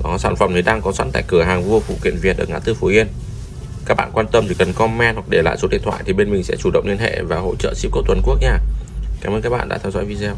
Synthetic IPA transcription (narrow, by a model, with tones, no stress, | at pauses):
nɔ˨˦saː˧˩nfə˨˩mni˨˩ɗaː˧ŋkɔ˨˦swa˧˥nt̪a̰ː˧˨kɨ˧˩əɦaː˨˩ŋvu˧əfṵ˧˨kḭ˧˨ənvi˨˩ət̚əː˨˩ŋaː˨˧˥t̪ɨ˧fu˨˦ʔi˧ən | ka˦˥k̚ɓa̰ː˧˨kwaː˧nt̪ə˧mt̪ʰi˨˧˩kə˨˩nkɔ˧mɛ˧nhwa˨˩k̚ɗe˧˩la̰ː˧˨jso˨˦ɗḭ˧˨ənt̪ʰwa̰˧˨jt̪i˨˩ɓe˧nmï˨˩ŋ̟sɛ̰˧˥t͡ɕu˧˩ə̰˧˨wŋ͡mnli˧ənhḛ˧˨vaː˨˩ho̰˧˨t͡ɕə̰ː˧˨si̥˦˥p̚ko˦˥t̪wə˨˩nku˦˥ək̚ɲaː˧˩kaː˨˦məː˧nkaː˦˥k̚ɓa̰ː˧˨ɗa̰ː˧˥t̪ʰɛ˧wzɔ̰˧˥jvi˧zɛ˧w